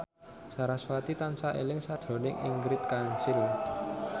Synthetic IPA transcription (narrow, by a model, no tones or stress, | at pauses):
saɾaswat̪it̪ansaʔḛlɪŋsad̥ʒ̥ɔ̤nɪŋʔḭŋɡɾɪt̪̚kaɲt͡ʃɪl